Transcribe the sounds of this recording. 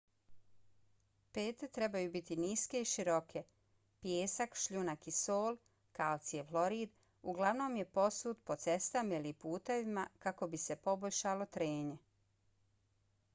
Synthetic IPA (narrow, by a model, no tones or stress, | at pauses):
pe̞ːt̪et̪ɾe̞bajubit̪iniːske̞iʃiɾo̞kʰe | pjeːsakʃʎunakisoːl | kalt̪sijeflo̞ɾiːd̪ | uɡlˠaʋno̞ːmje̞po̞suːt̪po̞t̪se̞st̪amailipuːt̪eʋimakako̞bise̞po̞boʎʃalo̞t̪ɾeːɲe̞